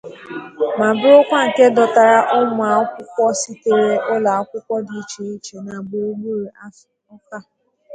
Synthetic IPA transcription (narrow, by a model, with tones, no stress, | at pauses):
ma˨bɪ˦ʊ˦kʷa˦ŋ̩˨ke˦dɔ˨ta˨ɾa˦ʔʊ˦mʊ˨a˨˦kʷʊ˦kʷɔ˦si˦te˨ɾe˦ʔʊ˦la˨a˦kʷʊ˦kʷɔ˦di˨i˦t͡ʃi˨i˦t͡ʃe˨na˨ɡ͡bo˨o˦ɡ͡bu˦ɾu˨a˦ | ɔ˦ka˦